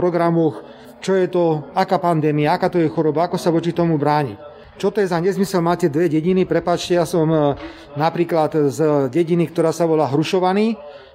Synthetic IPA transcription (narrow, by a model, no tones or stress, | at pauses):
pɾɔɡɾamɔx | t͡ʃɔjɛt̪ɔakaːpand̪ɛːmiaakaːt̪ɔjɛxɔɾɔbaakɔsaʋɔt͡ʃit̪ɔmubɾaːɲḭ | t͡ʃɔt̪ɔjɛzaɲɛzmisɛlmaːcɛd̪ʋɛɟɛɟinipɾɛpaːt͡ʃcɛjasɔm | napɾiːklat̪zɟɛɟinikt̪ɔɾaːsaʋɔlaɦɾuʃɔʋaniː